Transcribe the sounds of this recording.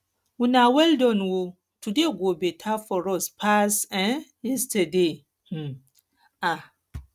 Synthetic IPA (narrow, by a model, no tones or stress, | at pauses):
winawɛldɔ̃nwo | tudeɡobɛtʰafɔɾɔspʰasɛ̃njɛstɛde | a